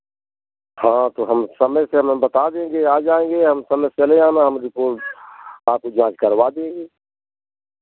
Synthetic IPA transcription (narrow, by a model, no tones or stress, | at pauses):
hãːt̪oɦɐmsɐməjseɦɐmbɐt̪ad̪ẽːɡeaːd͡ʒaːẽːŋɡeɦɐmsɐməjst͡ʃɐled͡ʒaːnaɦɐmɾiko | aːp̚kod͡ʒãːt͡ʃkɐɾʋad̪ẽːɡeː